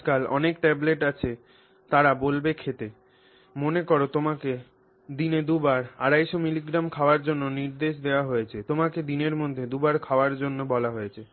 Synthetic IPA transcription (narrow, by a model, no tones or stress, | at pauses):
kalɔ̰nekʈɛbleʈat͡ɕʰe | t̪aɾabolbekʰet̪e | monekoɾot̪omake | d̪ined̪ubaɾa̰ɾajʃomiliɡɾamkʰaoaɾd͡ʑonːoniɾd̪eʃd̪eoaɦojet͡ɕʰet̪omaked̪ineɾmod̪ʱːed̪ubaɾkʰaoaɾd͡ʑonːobɔlaɦojet͡ɕʰe